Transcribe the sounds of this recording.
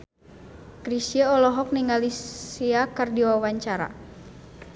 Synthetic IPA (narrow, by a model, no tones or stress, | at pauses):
kɾisiaɔlɔɦɔk̚niŋalisiakərdiwawaɲt͡ʃaɾa̰